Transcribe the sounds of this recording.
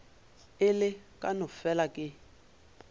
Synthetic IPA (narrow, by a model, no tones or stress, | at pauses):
ɪlɪkʼanɔfɛlakʼɪ